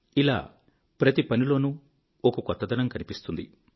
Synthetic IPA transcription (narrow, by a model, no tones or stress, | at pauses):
ila̰ː | pɾɐt̪ipɐnilo̞ːnuː | okɐkɔt̪ːɐd̪ɐnɐmkɐnipist̪und̪i